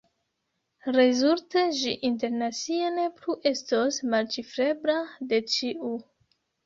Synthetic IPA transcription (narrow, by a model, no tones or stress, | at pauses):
ɾe̞zulte̞d͡ʒiʔinte̞ɾnat͡siane̞pluʔe̞stosmalt͡ʃifɾe̞bɾade̞t͡ʃiʔu